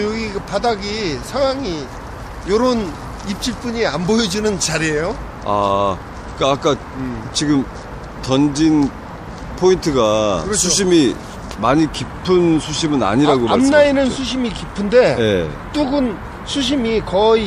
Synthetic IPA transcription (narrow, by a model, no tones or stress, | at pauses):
joɡiɡapadaɡisʰaŋwaŋi | joɾon | ip̚t͡ɕ͈iɭp͈uɲiambojʌd͡ʑinɯnt͡ɕaɾiejo | a | k͈aːk͈a | t͡ɕiɡɯm | tʌnd͡ʑin | pʰointʰɯɡaɯɾsʰuɕʰimi | maɲikipʰɯnsʰuɕʰimɯna̰ɲiɾaɡoamnainɯnsʰuɕʰimikipʰɯnde̞jḛ | t͈uɡɯn | sʰuɕ̬ʰimikʌi